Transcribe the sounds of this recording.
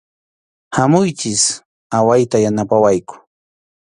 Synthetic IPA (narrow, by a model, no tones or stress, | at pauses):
hamʊjt͡ʃɪs | awajt̪ajanapawajkʊ̥